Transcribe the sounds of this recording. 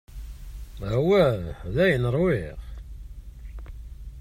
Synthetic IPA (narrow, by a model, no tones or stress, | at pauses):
hwæðæjənəɾˤwɪʁ